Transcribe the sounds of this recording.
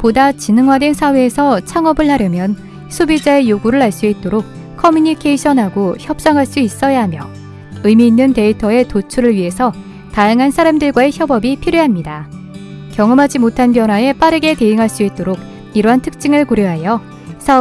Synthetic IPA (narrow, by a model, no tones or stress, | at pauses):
podat͡ɕinɯŋɦwadwensʰawe̞ːsʰʌt͡ɕʰaŋʌbɯɭːaɾjʌmjʌn | sʰobid͡ʑae̞joɡuɾɯɭɦaɭs͈uit̚t͈oɾok̚ | kʰʌmjuɲikʰeiɕʰʌnɦaɡoçjʌp̚s͈ʌŋɦaɭs͈uis͈ʌjaɦamjʌ | ɯmiːnːɯnte̞itʰʌe̞tot͡ɕʰuɾɯɭɥiɦe̞sʰʌ | tajaŋɦansʰaɾamdɯɭɡwae̞çjʌbʌbipʰiɾjoɦamɲida | kjʌŋʌmɦad͡ʑimotʰanpjʌnɦwae̞p͈aɾɯɡe̞te̞ɯŋɦaɭs͈uit̚t͈oɾok̚ | iɾʌɦantʰɯ̥k̚t͡ɕ͈iŋɯɭkoɾjoɦajʌ | sʰaʌ